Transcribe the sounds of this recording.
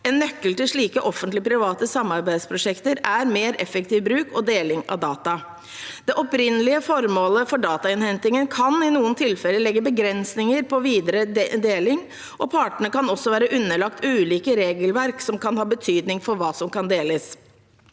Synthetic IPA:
ɛnːœkːəlt̪ɪʂɭiːkəʔɔfənt̪lɪpʰɾɪʋɑːt̪əsɑmːɑɾbæɪd̪spʰɾʊʂɛkt̪əɾæɾmeːɾɛfək̚t̪iːʋbɾʉːkʰɔd̪eːlɪŋɑ̰d̪ɑːt̪ɑ | d̪̥ɛʔɔpɾɪnːəlɪəfɔɾmoːləfɔɖɑːt̪ɑɪnhɛnt̪ɪŋənkʰɑnɪnuːənt̪ʰɪlfɛlːəlɛɡːəbəɡɾɛnsnɪŋəɾpʰɔʋiːd̪əɾəd̪eːlɪŋ | ʔɔpʰɑːʈəɳəkɑnɔsːɔʋæːɾəʔʉnːəɭɑkt̪ʉːliːkəɾeːɡəlʋæɾksɔmkɑnhɑːbət̪ʰyːd̪nɪŋfɔɾʋɑːsɔmkɑnd̪eːləs

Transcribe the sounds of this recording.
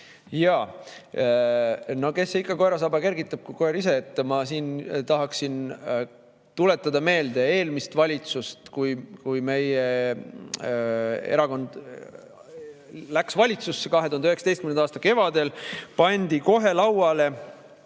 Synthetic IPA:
jɑː | no̞ke̞sːeikːˑɑko̞eɾɑs̬ɑbɑke̞rɡit̪ːˑɑb̥̚kujkoeɾise̞et̪ːˑmɑsiːnt̪ɑɦɑksin | t̪ule̞t̪ːˑɑd̪ɑme̞ːld̪e̞e̞ːlmist̪vɑlʲit̪sust̪kujkujme̞je | e̞ɾɑko̞nd̪̥ | læksvɑlʲit̪susːekɑɦet̪uhɑnyheksɑd̪est̪kymenɑːst̪ɑke̞vɑd̪e̞lpɑnʲd̪̥iko̞ɦe̞lɑwɑle̞

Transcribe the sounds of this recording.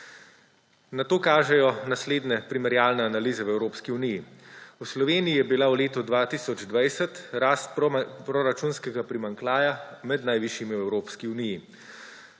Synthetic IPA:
nat̪oːkaːʒɛjɔnasleːd̪nɛpɾimɛɾjaːlnɛanalizɛwɛwɾoːpskiunijiuslɔʋeːnijijɛbilawleːt̪ɔd̪ʋaːt̪iːsɔd͡ʒd̪ʋajsɛt̪ɾaːst̪̚pɾɔɾat͡ʃuːnskɛɡapɾimaŋklaːjamɛd̪najʋiʃjimiwɛwɾoːpskiuniji

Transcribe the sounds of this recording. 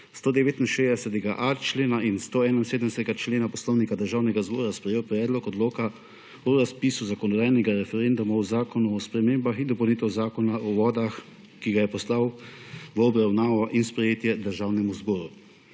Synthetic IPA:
st̪oːd̪ɛʋeːt̪inʃeːzd̪ɛsɛt̪ɛɡaʔat͡ʃleːnainst̪oːɛːnainseːd̪mɛsɛt̪ɛɡat͡ʃleːnapɔslɔwnikad̪əɾʒaːwnɛɡazbɔːɾaspɾɛjeːwpɾɛːd̪lɔkɔd̪loːka | uɾaspiːsuzakɔnɔd̪aːjnɛɡaɾɛfɛɾend̪ɔmauzaːkɔnuɔspɾɛmeːmbaxind̪ɔpɔwniːt̪ɛwzaːkɔnaʔɔʋɔːd̪ax | kiɡajɛpɔslawʋəɔbɾawnaːʋɔʔinspɾɛjeːt̪jɛd̪əɾʒaːwnɛmuzbɔːɾu

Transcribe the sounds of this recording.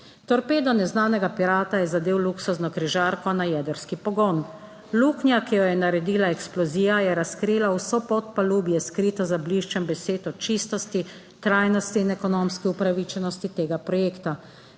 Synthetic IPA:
t̪ɔɾpeːd̪ɔnɛznaːnɛɡapiɾaːt̪ajɛzad̪eːwluksuznɔkɾiʒaːɾkɔnajɛd̪əɾskipɔɡɔn | luknjakijɔjɛnaɾɛd̪iːlaɛksplɔziːjajɛɾaskɾiːlawsɔpɔt̪̚paluːbjɛskɾit̪ɔzabliʃt͡ʃɛmbɛseːt̪ɔt͡ʃist̪ɔst̪i | t̪ɾaːjnɔst̪iːnɛkɔnomskiupɾaʋit͡ʃɛnɔst̪it̪eːɡapɾɔjeːkt̪a

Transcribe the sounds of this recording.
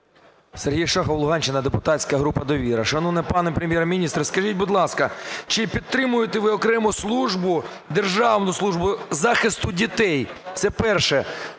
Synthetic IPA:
serɦʲijɐʃɑxɔwlˠʊɦɑnʲt͡ʃɪnɐd̪epʊt̪ɑsʲkɐɦɾupɐd̪ɔʋʲiɾɐʃɐnunɛpɑnɛpɾemʲjɛɾmʲinʲist̪ɾɐskɐʒit̚ʲbʊd̪lˠɑskɐt͡ʃɪpʲid̪t̪ːɾɪmʊjet̪eʋɪɔkɾɛmʊslˠuʒbʊ | d̪erʒɑʋnʊslˠuʒbʊzɑxɪst̪ʊdʲit̪ɛjt̪sɛpɛrʃɛ

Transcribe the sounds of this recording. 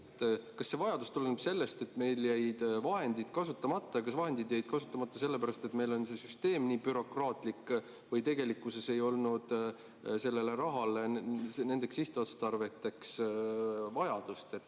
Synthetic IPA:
et̪ːkɑsːe̞vɑjɑd̪ust̪ulːenub̥se̞lːe̞st̪e̞t̪ːˑme̞jljæjd̪̥vɑɦe̞nd̪id̪̥kɑsut̪ˑːɑmɑt̪ːɑjɑkɑsvɑɦe̞nd̪id̪jæjd̪̥kɑsut̪ːˑɑmɑt̪ːˑɑse̞lːepæɾɑst̪e̞t̪me̞jlo̞nse̞syst̪e̞ːmniːbyɾo̞krɑːt̪ˑlikː | vɤjt̪e̞ɡe̞likːˑuse̞se̞jo̞lnud̪̥ | se̞lːe̞le̞ɾɑɦɑlene̞ne̞ksiht̪uɑt̪st̪ɑrve̞t̪ːˑe̞ks | vɑjɑd̪̥ust̪et̪ː

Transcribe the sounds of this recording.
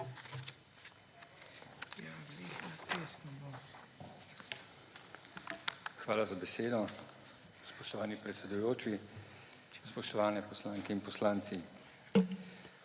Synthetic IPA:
jalikat̪esnɔbɔ | xʋaːlazabɛseːd̪ɔ | spɔʃt̪ɔʋaːnipɾɛt̪sɛd̪ujoːt͡ʃi | spɔʃt̪ɔʋaːnɛpɔslaːŋkɛinpɔslaːnt̪si

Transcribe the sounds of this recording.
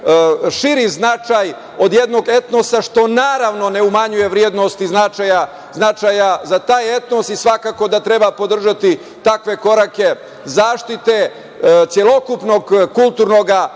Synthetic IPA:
ʃiɾiznat͡ʃaj | o̞d̪je̞d̪no̞ɡe̞t̪no̞saʃt̪o̞naːɾaʋno̞ne̞umaɲuje̞ʋɾjed̪nost̪iznat͡ʃaja | znat͡ʃajazat̪aːje̞t̪no̞sisʋakako̞d̪at̪ɾe̞bapo̞d̪r̩ʒat̪i | t̪akʋe̞ko̞ɾake̞ | zaːʃt̪it̪e̞ | t̪sʲjelˠo̞kupno̞ɡkulˠt̪uɾno̞ɡa

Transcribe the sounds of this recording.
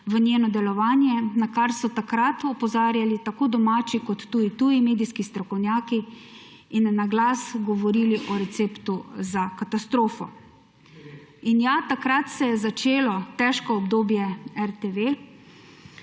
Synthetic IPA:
ʋənʲjeːnɔd̪ɛlɔʋaːnjɛnakaɾsɔt̪akɾat̪ɔpɔzaːɾjalit̪akoːd̪ɔmaːt͡ʃikɔt̪ːuːit̪ujimeːd̪iskist̪ɾɔkɔwnjaːki | inːaɡlasɡɔʋɔɾiːliʔɔɾɛt̪seːpt̪uzakat̪ast̪ɾoːfɔ̰ | injat̪akɾat̪sɛjɛzat͡ʃeːlɔt̪ɛʃkɔɔbd̪oːbjɛɛɾt̪eʋe

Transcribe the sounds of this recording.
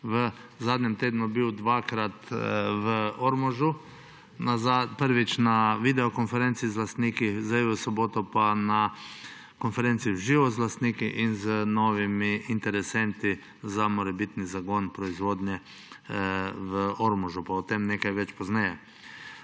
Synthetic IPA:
ʋə | zad̪ɲʲɛmt̪eːd̪nubiwd̪ʋaːkɾat̪ʋəoɾmoʒu | nazapəɾʋit͡ʃnaʋid̪ɛokonfɛɾent̪siːzlast̪nikizaiʋəsɔboːt̪ɔpana | konfɛɾent̪siːwʒiʋozlast̪niːkiʔinzənoːʋimiint̪ɛɾɛsɛnt̪i | zamɔɾɛbit̪nizaɡonpɾɔizʋoːd̪ɲɛ | ʋəoɾmɔʒupaut̪emnekajʋɛt͡ʃpɔznɛjɛ

